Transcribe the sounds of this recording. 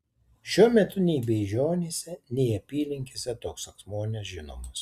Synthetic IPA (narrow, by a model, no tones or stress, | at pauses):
ʃʲuɔmʲɛt̪ʊnʲɛɪbʲɛɪʒʲoːnʲeːsʲɛnʲɛɪɐpʲiːlʲɪŋʲkʲesʲɛt̪oːksɐksmoːnʲɛsʒʲɪno̰ːmɐs